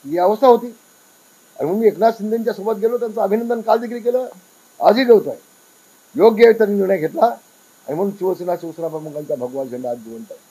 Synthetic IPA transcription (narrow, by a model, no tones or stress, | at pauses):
iɦəʋəst̪aɦot̪iː | a̰ɽim̤əɡmiːeknaɕind̪eɲt͡ɕjasubət̪̚ɡʱelot̪̬jant͡saəbʱinənd̪ənkald̪ikɾiːk̬elə | ə̰d͡zʱiːd̪eʋt̪aj | joɡjeʋit̪aniniʋɳəjaɡʱet̪la | a̰ɽ̃im̤ənunɕiʋəsənaɕiʋəsənapəɳm̤əɡaɲt͡ɕjabʱəɡʋanɕeɳɖat̪̚d͡ʑiʋəɳt̪aj